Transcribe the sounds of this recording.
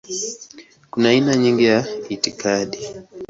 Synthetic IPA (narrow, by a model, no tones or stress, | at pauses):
kunaːinaɲiŋɡijaitikaɗi